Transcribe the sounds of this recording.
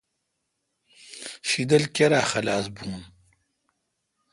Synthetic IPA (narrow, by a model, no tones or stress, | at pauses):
ɕid̪ɐlkeɾaːxɐlaːsbuːn